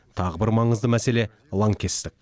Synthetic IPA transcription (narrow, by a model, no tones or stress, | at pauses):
t̪ʰɑʁəbɪɾmɑɴəzd̪əmæse̞le̞ | lˠɑŋkʲʰe̞st̪ɪk̚ʲ